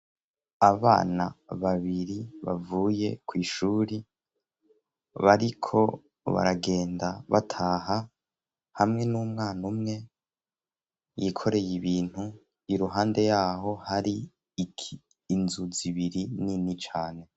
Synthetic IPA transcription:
aβa̰ːna̰βaβiɾiβa̰vuːje̞̰kwiːʃuːɾi | βaɾikʰo̞̰ | βa̰ɾaɡe̞ːndaβatʰaːɦa | hamŋe̞numŋaːnumŋe̞ | jikʰo̞ɾe̞jiβiːn̥hu | iɾuɦaːnde̞jaːɦo̞haɾi | kʰiː | nzuziβiɾininit͡ʃaːne̞

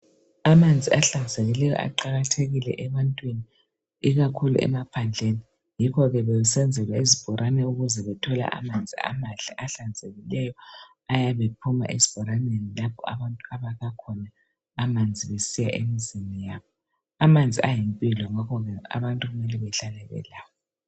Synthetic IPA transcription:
amand͡zʱiaɬand͡zʱeɣilɛjɔ̰ʔa̰ǃaɣatʰeɣilɛ̰ʔɛβantʼwini | iɣakʰulṵʔɛ̰mapʰand͡ɮʱeni | jikʰɔɣɛβɛjɛsɛnd͡zʱɛlwaizib̥ʱɔɾʔanɛuɣuzɛβɛtʰɔla̰ʔa̰mand͡zʱia̰manɮʱiʔaɬand͡zʱeɣilɛjɔ | ajaβepʰuma̰ʔezib̥ʱɔɾanenilapʰɔ̰a̰βantʼuaβaɣakʰɔnaː | mand͡zʱiβesijaʔemizinijaβɔ | amand͡zʱiajimpʼilɔŋakʰɔɣɛa̰βantʼuɣumɛlɛβɛɬalɛɣɛ̰laːβɔ

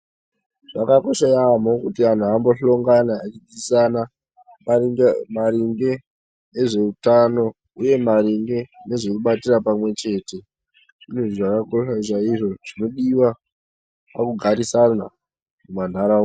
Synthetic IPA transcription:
ʐ̥akako̞ʃaamokutian̤uambo̞ɬo̞ŋɡanaːt͡ʃid͡zisana | maɾiŋɡe̞ | eʐe̞utano̞ | uje̞mariŋɡe̞ne̞ʐo̞kuɓatirapamwe̞t͡ʃe̞ːte̞ | ʐinotiʐakakoʃaʐaiʐo̞ʐ̥ino̞ɗiwa | pakuɡʱaɾisana | muman̤ʱaɾao

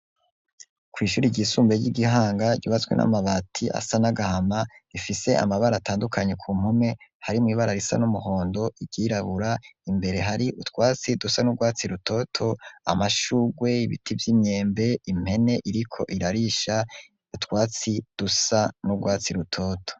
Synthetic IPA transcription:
kwiːʃuːɾiɟiːsuːmbeɟiɡiɦaːŋɡaɟuβat͡swe̞̰nʔa̰maβatʰiʔa̰sanaɡahamaifise̞a̰maβaɾataːndukʰaɲe̞kʰuːm̥hume̞haɾimŋiːβaɾaɾisa̰numuho̞ːndo̞iɟiɾaβuɾaimbe̞ɾe̞ɦaɾiutwaːt͡sidusanuɡwaːt͡siɾutʰo̞tʰo̞a̰maʃuːɡwe̞iβḭtʰivjimɲe̞ːmbe̞im̥he̞ne̞ʔiɾikʰo̞̰ʔiɾaɾiʃa | utkwaːt͡sid̥usanuɡwaːt͡siɾutʰo̞ːtʰo̥

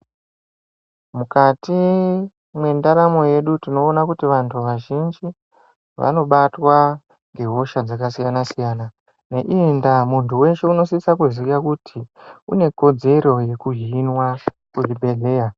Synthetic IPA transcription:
mukati | mwe̞ndaɾamo̞je̞ɗutino̞ːnakutiʋantʰuʋaʒind͡ʒi | ʋa̰no̞ɓatwa | ŋɡe̞ɦo̞ʃad͡zakasijanasijaːna | ne̞ʔindamuntuwe̞ʃe̞uno̞sisakuzikakutʰiṵne̞ko̞d͡ze̞ɾo̞je̞kuɦiinwa | kuribʱe̞ɮe̞ːja

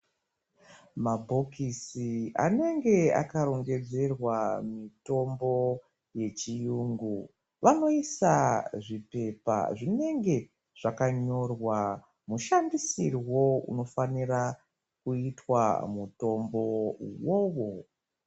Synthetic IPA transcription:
mabʱo̞kisia̰ne̞ŋɡe̞a̰kaɾo̞ŋɡe̞d͡ze̞rwamito̞mbo̞ | je̞t͡ʃijuːŋɡu | ʋano̞isaʐipe̞pa̰ʐine̞ŋɡe̞ | ʐ̥akaɲo̞rwa | muʃandisirwo̞ṵno̞fanira | kuitwa̰muto̞mbo̞wowo̞

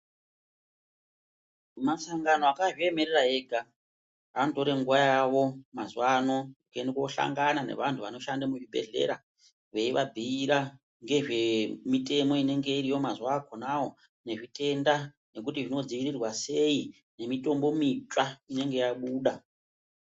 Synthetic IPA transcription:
masaŋɡano̞akaʐie̞me̞ɾeraɦe̞ɡʱa | anto̞ɾe̞ŋɡuʋajaʋo̞mazwano̞ukendekoɬa̰ŋɡanane̞̰ʋantʰuʋano̞ʃandamuʐibʱe̞̰ɮe̞̰ɾa | ʋe̞iʋabʱiiɾa | ŋɡe̞ʐe̞mite̞mo̞ine̞ŋɡe̞iɾijo̞mazuwakʰonawo̞ | ne̞ʐite̞nda | ne̞kutiʐino̞d͡ziʋirirwase̞i | ne̞mito̞mbo̞mit͡ʃwaine̞ŋɡe̞jaɓuːɗa

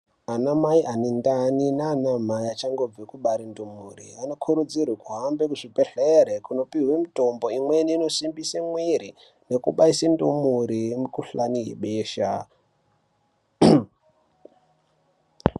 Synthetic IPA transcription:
anamaiʔanendaninaːnamaiat͡ʃaŋɡo̞b͡vekuɓaɾindumurḭano̞kʰuɾud͡zirwekuɦambekuʐipeɬeɾekuno̞piɦwemito̞mbo̞imweniːno̞simbiseŋwiɾi | ne̞kṵɓaisendumuɾimukuɬaniɦḛɓeːʃa

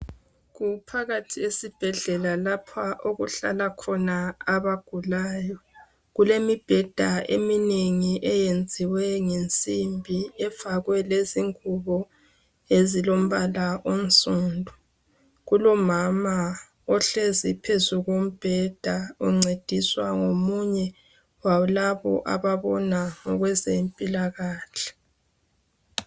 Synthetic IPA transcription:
ɣupʰaɣatʰiesib̥ʱɛɮɛlalapʰaʔoɣṵɬa̰lakʰɔnaːβaɡ̥ʱulaːjɔ | ɣulemib̥ʱɛd̥ʱaʔemineŋiʔɛjend͡zʱiwɛŋent͡sʼimbʱiɛfaɣwɛleziŋuβɔ | ezilom̩βalaʔon̩sʼuːndʱu | ɣulɔmama | ɔɬezipʰezuɣom̩b̥ʱɛd̥ʱauŋ͡ǀed̥ʱiswaŋomuɲɛ | walaβɔ̰ʔa̰βaβɔnaŋɔɣwɛzempʼilaɣaːɬɛ̥

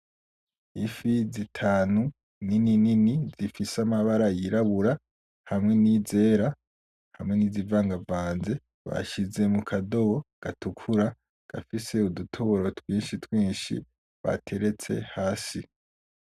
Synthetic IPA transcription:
ifizitʰaːnu | ninininizifisamaβaɾajiɾaβuɾa | hamŋe̞nize̞ːɾa | hamŋe̞nizivaːŋɡavaːnze̞ | βa̰ʃize̞mukʰado̞βo̞ɡ̥atukʰuɾa | ɡ̥a̰fise̞udutʰoβoɾo̞twiːnʃitwiːnʃḭ | βa̰tʰe̞ɾe̞t͡se̞̰haːsi

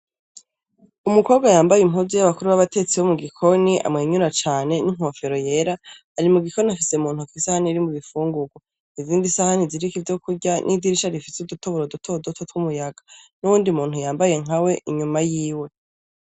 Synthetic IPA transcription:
umuko̞ːβbɡwajaːmbajimuzijaβakuɾuβaβatet͡siwo̞muɡikʰo̞niʔa̰mŋe̞ɲuɾat͡ʃaːne̞niŋ̥ho̞fe̞ɾo̞je̞ːɾaː | ɾimuɡikoniafise̞muːn̥hukisahaniɾimuβifuːŋɡuɡwo | iziːndisahaniziɾikivjo̞kuɟanʔidiɾiʃaɾifisudutoβoɾodutʰo̞dotʰotwumujaɡanuβuːndiumuːn̥hujaːmbaje̞ŋawe̞ʔiɲumajiːwe̞

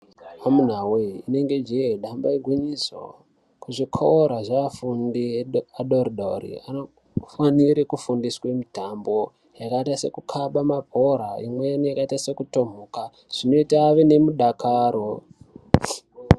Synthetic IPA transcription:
amun̤aweine̞ŋɡe̞d͡ʒeɗambaiɡʱweɲiso̰ | kuʐikʰoɾaʐaafundiaɗoriɗorḭano | faniɾekufundiswemitambo̞ | jakaitase̞̰kukʰaɓamapo̞ɾaimweanijakaitase̞kuto̞m̤uka | ʐ̥ino̞itaːʋene̞muɗakʰaɾo

